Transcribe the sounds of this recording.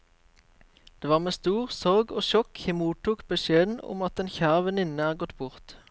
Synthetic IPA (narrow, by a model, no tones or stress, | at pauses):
d̪̥eːʋɑːʁmeːst̪uːʁsɔʁɡo̰ːʃɔkhɪmuːt̪ʰuːkbəʃeːd̪n̩ɔ̰mɑt̪eːnçæːʁʋɛnɪnəæːʁɡɔt̪bʊʁt̪